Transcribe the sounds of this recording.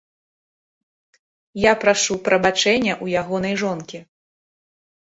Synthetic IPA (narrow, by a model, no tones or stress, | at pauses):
japɾaʂupɾɐbat͡ʂɛnʲːɐʔujaɣɔnɐjʐɔnkʲi